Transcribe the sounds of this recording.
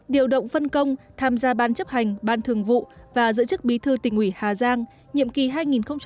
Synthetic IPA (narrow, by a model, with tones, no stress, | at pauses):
ɗi˨˩əwɗə̰˧˨wŋ͡mfə˧nkə˧wŋ͡mt̪ʰaː˧mzaː˧ɓaː˨˧nt͡ɕə˦˥p̚ha˨˩jŋ̟ɓaː˧nt̪ʰɨ˨˩əŋvṵ˧˨vaː˨˩zɨ̰˧˥t͡ɕɨ˦˥k̚ɓi˨˦t̪ʰɨ˧t̪ï˨˩ŋ̟ʔwi˧˩haː˨˩zaː˧ŋ | ɲḭ˧˨əmki˨˩ɦaː˧jŋi˨˩nxə˧wŋ͡mt͡ɕ